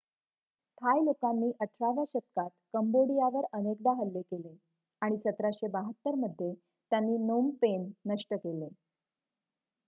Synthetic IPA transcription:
t̪ʰajlokanːiːʔəʈʰɭaʋjaɕət̪̚kat̪kəmboɽijaʋəɾənek̚d̪aɦəlːekele | aɽ̃isət̪ɾaɕebaɦət̪ːəɾməd̪ʱːje | t̪janːiːnompenːəʂʈəkele

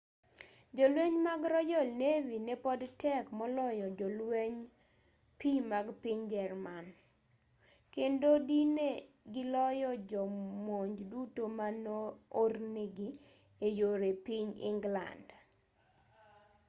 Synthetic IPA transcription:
d͡ʒɔlweɲmaɡɾɔjɔlnevinepɔdtɛkmɔlɔjɔd͡ʒɔlweɲ | pimaɡpɪɲd͡ʒɛrman | kendodine | ɡɪlɔjɔd͡ʒɔmoɲd͡ʒdutomanooɾneɡi | ejoɾepiɲɪ̰ŋɡla̰nd

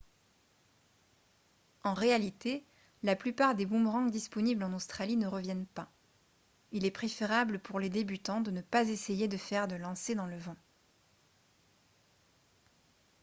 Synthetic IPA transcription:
ɑ̃ʁealit̪e | laplypaʁd̪ebũmʁɑ̃ɡd̪ispɔniblɑ̃nost̪χalinəʁəvjɛnpa | ilɛpχefeʁabləpuʁled̪ebyt̪ɑ̃d̪ənəpazesejed̪əfɛʁd̪əlɑ̃sed̪ɑ̃ləvɑ̃

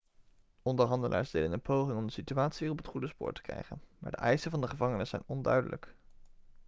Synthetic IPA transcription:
ɔndəɹɦɑndəlʔa̰ːɹsd̥ejdənənpowχɪŋɔmdəsityaːtsiːrɔpətχudəspʊ̰ːɹtə̥krɛ̰jχə̰nmaːɹdə̰ʔɛjsənvɑndəχəvɑŋənəsɛ̰jnɔndœɥdələ̰k

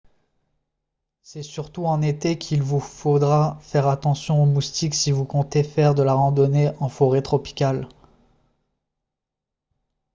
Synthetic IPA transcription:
sɛsyʁt̪uɑ̃net̪ekʲʰilvufod̪ʁafɛʁat̪ɑ̃sjɔ̃omust̪iksivukɔ̃t̪efɛʁd̪əlaʁɑ̃d̪ɔneʔɑ̃fɔʁet̪χɔpi̥kʲal

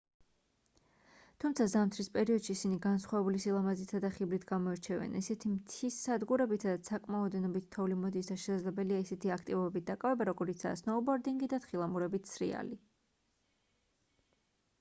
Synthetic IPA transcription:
t̪ʰumt̪sʰazamt̪ʰɾispʼɛɾiɔd̪̥ʃiːsiniɡansχwavɛbulisilˠamazit̪ʰad̪aχibɾit̪ʰɡamɔɛɾt͡ʃʰɛvɛ̰nisɛt̪ʰimt̪ʰisːad̪ɡuɾɛbit̪ʰad̪at̪sʰakʼmaɔd̪ɛnɔbit̪t̪ʰːɔulimɔd̪isaʃɛsad̪zlɛbɛliaisɛt̪ʰiakʰt̪ʼivɔbɛbit̪̚d̪akʼavɛbaɾɔɡɔɾit̪sʰa̰ːsnɔbɔɾd̪iŋɡid̪at̪χilˠamuɾɛbit̪ʰsɾḭa̰li

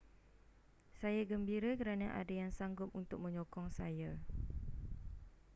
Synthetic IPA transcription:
sajaɡəmbiɾakəɾanaʔa̰dajaŋsaŋɡʊp̚unt̪ʊk̚mə̃ɲɔkɔŋsaja

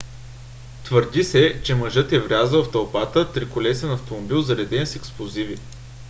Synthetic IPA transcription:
t̪vəɾd̪isɛt͡ʃɛməʒɤt̪ɛvɾʲazəlˠft̪ɐlˠpat̪ət̪ɾikʊlɛsɛnɐft̪omobilˠzɐɾɛd̪ɛnsɛksplˠozivi

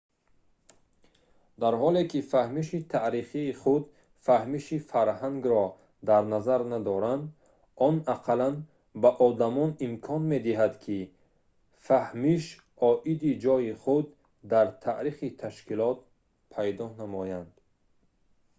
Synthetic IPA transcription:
d̪aɾɦɔlekifahmiʃit̪ʰaʔɾiχiːχud̪ | fahmiʃifaɾɦaŋɡɾɔ | d̪aɾnazaɾnad̪ɔɾand̪ | ɔnaqʰalan | baʔɔd̪amɔnimkʰɔnme̞d̪iɦad̪kʰi | fahmiʃ | ɔʔid̪id͡ʒɔjiχud̪ː | aɾt̪ʰaʔɾiχit̪ʰaʃkilɔt̪̚ | pʰajd̪ɔnamɔjand̪̥

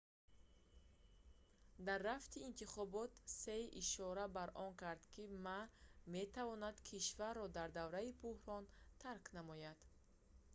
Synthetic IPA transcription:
d̪arːaft̪ʰiːnt̪iχɔbɔt̪seiʔiʃɔɾabaɾʔɔŋkʰaɾd̪kʰimame̞t̪ʰavɔnad̪kʰiʃvaɾrːɔd̪aɾd̪avɾaibuhɾɔnt̪ʰaɾknamɔjad̪̥

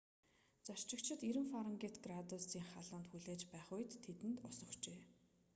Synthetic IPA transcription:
t͡sart͡ɕɪ̆kt͡ɕʰɪ̆t̪iɾɘ̆mfaɾə̆ŋɡet̪ɡrat̪ʊsiːŋχaɮʊ̆ːnt̪xuɮeːt͡ɕpæːχʊjt̪ʰːet̪ɘ̆nt̪ɔsɞ̆kt͡ɕeː

